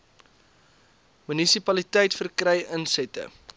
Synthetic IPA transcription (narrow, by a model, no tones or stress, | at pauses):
mynisipɐlitəjtfərkrɛjənsɛtə̰